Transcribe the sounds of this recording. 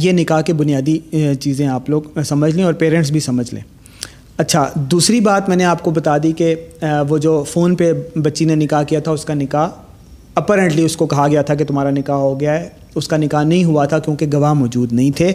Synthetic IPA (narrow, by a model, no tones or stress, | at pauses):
jenɪkaɦkebʊnijaːd̪it͡ʃiːzẽaːploːɡsɐməd͡ʒʱlẽɔːɾpeːɾɛ̃ɳʈs̬bʱisɐməd͡ʒʱlḛ̃ː | ɐtːʃʰad̪uːsɾibaːt̪mɛ̃ːneaːp̚kobɐt̪aːd̪ikeʋod͡ʒoːfoːnpebɐtːʃinenɪkaɦkijat̪ʰaʊskanɪkaɦ | ɐpaːɾɛ̃ɳʈliʊskokɐɦaɡɐjat̪ʰak̬et̪ʊmɦaːɾanɪkaɦɦoɡɐjaɦɛ | ʊskanɪkaːɦnɐɦĩɦʊat̪ʰakjõːkeɡɐʋaɦmɔːd͡ʒuːd̪nɐɦĩt̪ʰeː